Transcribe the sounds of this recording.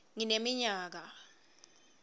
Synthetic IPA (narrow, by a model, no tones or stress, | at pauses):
ŋinemiɲaːk̬a